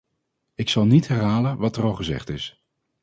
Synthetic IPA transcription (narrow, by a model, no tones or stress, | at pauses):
ɪksɑlˠnitɦɛrɦaːlənʋɑtərɑlˠχəzɛ̰χtɪs